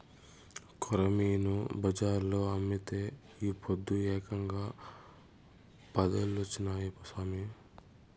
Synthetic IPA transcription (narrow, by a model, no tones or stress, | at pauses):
kʰɔɾɐmiːnubɐd͡ʒaːɾloːɐmːit̪eː | iːpʰod̪ːuɛːkɐŋɡaː | pɐd̪ɐlːot͡ʃːinaːjipusaːmi